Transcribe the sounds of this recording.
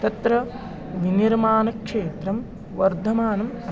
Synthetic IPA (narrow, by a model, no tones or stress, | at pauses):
t̪ɐt̪ɾɐ | ʋiniɾmaːnɐkʂeːt̪ɾɐm | ʋɐɾd̪ʱɐmaːnɐmɐ